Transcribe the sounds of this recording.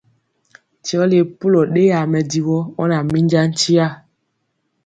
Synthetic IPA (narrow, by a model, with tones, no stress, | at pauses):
ti˨ɔ˦li˦e˨pu˦lɔ˨ɗe˦ja˨mɛ˨di˨wɔ˦ɔ˦na˨mi˦ɲ˦d͡ʒa˦n̩˦t͡ʃi˦a˦˨